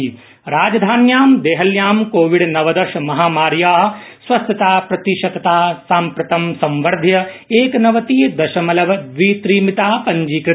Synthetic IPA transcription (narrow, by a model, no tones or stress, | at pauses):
ɾaːd͡ʒɐd̪ʱaːnjaːmd̪eːɦɐljaːmkoːʋiɽnɐʋɐd̪ɐɾʃɐmɐɦaːmaːɾjaːɦsʋɐst̪ɐt̪aːpɾɐt̪iʃɐkɐt̪aːsaːmpɾɐt̪ɐmsɐ̃mʋɐɾd̪ʱjɐeːknɐʋɐt̪iːd̪ɐʃɐmɐlɐʋɐd̪ʋiːt̪ɾiːmit̪aːpɐɲd͡ʒiːkɾɨ